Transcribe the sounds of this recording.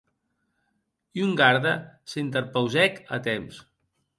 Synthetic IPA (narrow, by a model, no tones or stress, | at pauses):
iuŋɡaɾðəsint̪əɾpəwzɛkə̰t̪ems